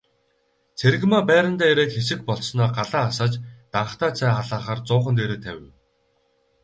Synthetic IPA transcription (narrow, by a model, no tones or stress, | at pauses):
t͡sʰeɾ̆ɣmaːpæːɾə̆nt̪æːeɾeːkxesɘ̆k̚pɔɮsnɔːɢaɮaːasaːt͡ɕt̪aɴ̆χt̪aːt͡sʰæːχaɮaːχaːrt͡sʊːχə̆nt̪̬eːɾeːt̪ʰæ̰wʲɪ̆w